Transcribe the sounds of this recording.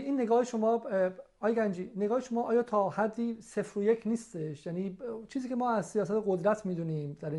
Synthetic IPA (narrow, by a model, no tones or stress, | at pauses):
ʔiːnːeɡɒːheʃomɒː | ɒːjeɡænd͡ʒiːneɡɒːheʃomɒːʔɒːjɒːt̪ʰɒːhæd̪ːiːsefɾojecʰniːst̪eʃjæniːt͡ʃʰiːziːcʰemɒːæzsijɒːsæt̪ʰeɣod̪ɾæt̪ʰmiːd̪uːniːmd̪̥æɾi